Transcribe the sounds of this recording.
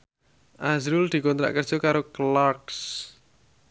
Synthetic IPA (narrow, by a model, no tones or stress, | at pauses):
ʔazɾuld̪̥i̤kɔnt̪ɾa̰ʔkərd̥ʒ̥o̤kaɾoklaks